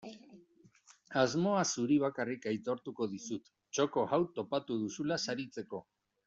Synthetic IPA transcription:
azmo̞asuɾiβ̞akarikajt̪o̞ɾt̪uko̞ðisut̪ | t͡ʃo̞ko̞ɣawt̪o̞pat̪uð̞usulasaɾit͡se̞ko̞

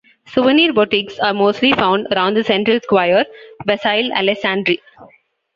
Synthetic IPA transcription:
sʊʋəniːɾbɔʈiksaːɾmoːsʈlifãʊ̃ɳɖɐɾãʊ̃ɳɖd̪əsɛ̃ɳʈɾəlskwaɪəɾbɛsaɪlæ̰lɛsãɳɖɾi

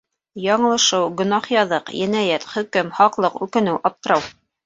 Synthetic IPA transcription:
jɑɴɤ̆lˠɤ̆ʃɤwɡɵ̆nɑχjɑðɤqjɘ̆næjæt̪χɵ̆kɘmhɑqlˠɤqʉkɘ̆nɘwʔɑp̚t̪ɤ̆ɾɑw

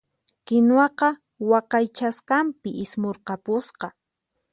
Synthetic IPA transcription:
kɪnwɑqɑ | wɑqɑjt͡ʃaskampɪʔɪsmoɾqɑpʊsqɑ

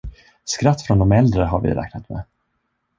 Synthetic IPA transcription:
skɾat̪ːfɾɔnd̪ɔmɛld̪ɾəɦaɾvɪ̰ɾɛ̰ːk̚nat̪mɛ̰

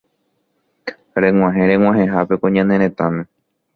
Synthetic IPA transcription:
ɾẽ̞w̃ʷãɦẽ̞ɾẽŋw̃ãɦẽɦape̞kõɲãnẽ̞ɾ̃ẽ̞t̪ãmẽ

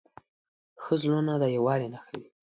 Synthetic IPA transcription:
xəzlonad̪ajawɑɾenaxawi

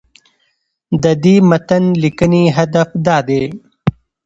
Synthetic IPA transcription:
d̪əd̪imɐt̪ənlikəniɦad̪afd̪ɑːd̪e

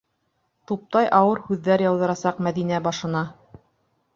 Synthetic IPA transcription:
t̪up̚t̪ɑjʔɑwɤɾhʉðːæɾjɑwðɤ̆ɾɑsɑqmæðinæbɑʃɤ̆nɑ

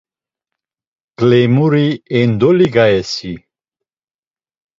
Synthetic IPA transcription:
kʼlɛmuɾiɛnd̪ɔliɡaɛsi

